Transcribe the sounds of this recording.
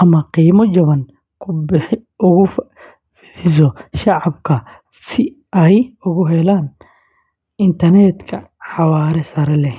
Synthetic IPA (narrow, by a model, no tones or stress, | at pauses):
ʔɐmɐqiːmɔt͡ʃɐβɐŋ | kʰʊbɪħɪ | ʊɣʊf | fɪðɪs̬ɔʃɑʕɑbkʰɐ | sɪ | ɐjʊɣʊɦɛlaːn | ɪnt̪ʰɐrnɛt̪kʰɐħɑwaːɾɛsɐɾɐlɛ